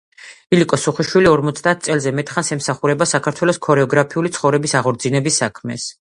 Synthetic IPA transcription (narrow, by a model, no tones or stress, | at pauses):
ilikʼɔsuχiʃwiliɔɾmɔt̪sʰd̪aːt̪̚ʰt̪sʼɛlˠzɛmɛt̪ʼχansɛmsaχuɾɛbasakʰaɾt̪ʰwɛlˠɔskʰɔɾɛɔɡɾapʰiulit̪sʰχɔvɾɛbisaʁɔɾd̪zinɛbisːakʰmɛ̰s